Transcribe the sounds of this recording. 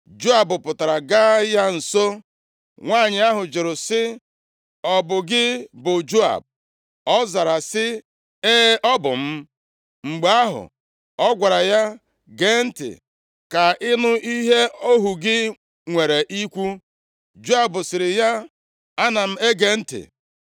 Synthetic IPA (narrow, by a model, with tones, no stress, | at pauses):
d͡ʒo˦a˨bʊ˨pʊ˨ta˨ɾa˨ɡa˦ja˦n̩˨so˦ | ŋʷa˦˨ɲɪ˨a˦ɦʊ˨d͡ʒɪ˨ɾʊ˨sɪ˦ | ɔ˨bʊ˨ɡɪ˦bʊ˨d͡ʒo˦a̰˨b̚ | ɔ˦za˨ɾa˨sɪ˦ | e˦ʔɔ˦bʊ̰˨m̩˦ | ŋ͡m̩˨ɡ͡ba˦ɦʊ̰˨ | ɔ˦ɡʷa˨ɾa˨ja˦ | ɡe˦n̩˦tɪ̰˨ | ka˨ɪ˦nʊ˦i˦ɦe˦o˦ɦu˨ɡɪ˦ | ŋʷe˨ɾe˨ʔi˦kʷu˦ | d͡ʒo˦a˦˨bʊ˨sɪ˨ɾɪ˨ja˦ | a˦na˨m̩˦e˦ɡe˨n̩˦tɪ̰˨